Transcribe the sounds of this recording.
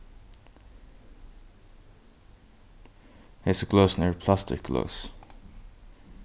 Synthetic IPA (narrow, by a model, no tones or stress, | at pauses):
hɪsəɡloʊsnɛɹpʰl̥æst̪ɪ̰k̚ɡ̥lo̰ʊs